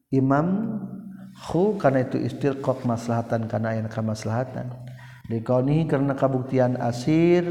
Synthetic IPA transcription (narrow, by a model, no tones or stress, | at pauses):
imam | xukarnait̪uʔḭst̪irkɔk̚masalaɦat̪ankarnajankamasalaɦat̪a̰n | dekawniɦikəɾənakəbuk̚t̪iana̰sir